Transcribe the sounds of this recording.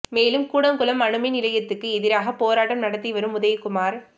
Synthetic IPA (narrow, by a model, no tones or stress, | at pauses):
meːlɯmkuːɽɐŋkʊlɐmːɐɳɯmɐɪnɪlɐjɐt̪ːɯkːɯɛðɪɾaːɣɐpoːɾaːʈːɐmnɐɽɐt̪ːiʋɐɾɯmʊðɐjkʊmaːɾ